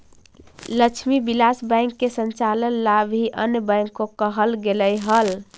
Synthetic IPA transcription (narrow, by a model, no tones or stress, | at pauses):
lət͡ʃʰmibilasbə̃ɪŋkːesənt͡ʃalənlabʱiʔənjəbə̃jŋkːokəɦəlɡeləjɦəl